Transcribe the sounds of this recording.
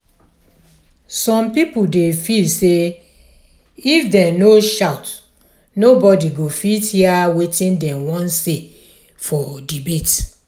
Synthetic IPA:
sɔ̃mpipudefilse | ifdɛ̃noʃaʊt | nobɔdiɡofitiawetĩndɛ̃mwɔ̃nse | fɔdibet

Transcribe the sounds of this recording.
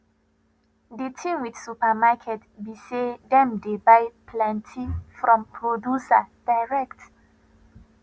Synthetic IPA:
detʰĩmwidsupamakʰɛtbisedɛ̃mdebajpʰlɛ̃ntʰifɹɔ̃mpʰɹodjusa̰d̥aɪɹɛkt

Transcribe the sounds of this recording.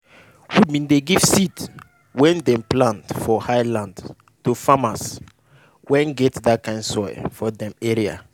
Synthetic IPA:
wud̚mĩndeɡiv̥sit | wɛ̃ndɛ̃mplãntfɔhaɪlãnd | tufamas | wɛ̃nɡɛtdat̚kãɪ̃nsɔjfɔdɛ̃mɛɹia̰

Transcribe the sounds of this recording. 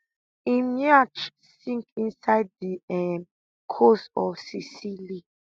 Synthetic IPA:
imuat͡ʃ | sĩŋkĩnsaɪd̚diɛm | kʰosɔfsisili

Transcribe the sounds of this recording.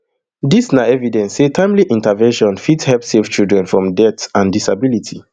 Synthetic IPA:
disnaɛvidɛ̃nssetʰãɪ̃mliʔĩntavɛ̃nʃɔ̃nfitshɛlpseft͡ʃildɹɛ̃nfɹɔ̃mdɛtãndisabilitʰi

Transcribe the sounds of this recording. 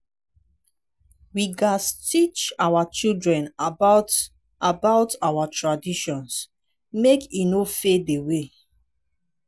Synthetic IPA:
wiɡastit͡ʃawat͡ʃildɹɛ̃na | abaʊtawatʰɹadiʃɔ̃ns | mekinofedewe

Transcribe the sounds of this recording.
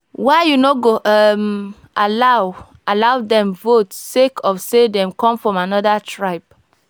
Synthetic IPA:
waɪjunoɡoʔɔm | ʔalaw | ʔalawdɛ̃mvotsekʰɔfsedɛ̃mkɔ̃mfɹɔ̃manɔdatʰɹaɪp̚

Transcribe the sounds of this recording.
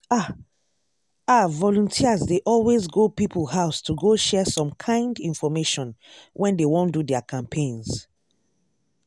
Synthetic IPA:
a | avɔlũntʰiəzdeʔɔlwezɡopipʰulhaʊstʰuɡoʃɛsɔ̃mkʰãɪ̃ndĩnfɔmeʃɔ̃nwʔɛ̃ndewõndudɛakʰãmpʰẽnz

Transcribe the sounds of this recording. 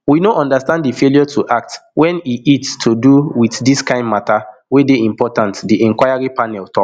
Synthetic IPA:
winoʔɔ̃ndastãndifeljɔtʰuʔak̚twɛ̃niitstʰuduwiθdiskãɪ̃ndmatawedeĩmpɔtãntdiɛ̃ŋkwaɪjaɹipanɛltʰɔk

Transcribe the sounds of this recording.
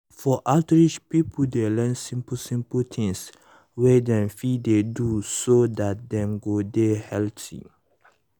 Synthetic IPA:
fɔʔatɹiʃpipʰdelɛ̃nsĩmpsĩmpəltʰĩŋs | wɛdɛ̃mfidedusodat̚dɛ̃mɡodehɛltʰḭ

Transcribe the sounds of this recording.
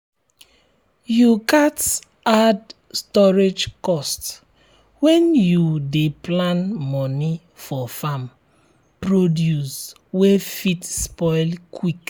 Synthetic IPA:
jukat | ad | stɔɹed͡ʒkɔst | wɛ̃njudeplãnmɔni | fɔfam | pɹodjus | wefitspɔjlkʰwik

